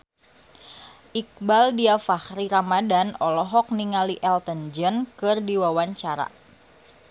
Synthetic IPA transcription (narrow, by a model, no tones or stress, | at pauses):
ʔik̚baldiafahɾiɾamadanɔlɔɦɔk̚niŋaliʔɛlt̪ənd͡ʒənkɨrdiwawaɲt͡ʃaɾa̰